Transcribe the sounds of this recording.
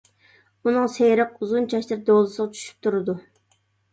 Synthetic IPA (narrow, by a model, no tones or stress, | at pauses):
unɨŋsejɾəquzunt͡ʃʰɑʃlɪɾd̪olˠɨsəʁɑt͡ʃʰy̥ʃy̥p̚t̪ʰuɾɨd̪u